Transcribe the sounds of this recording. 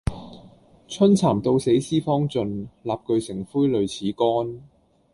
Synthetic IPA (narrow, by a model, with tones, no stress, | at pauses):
t͡sʰɵ˥nt͡sʰaː˨˩mt̪o˧wse˨˥jsiː˥fɔː˥ŋt͡sɵ˧nlaː˨p̚kɵ˧ɥsɪ˨˩ŋfuː˥jlɵ˨˧ɥt͡sʰiː˨˥kɔː˥n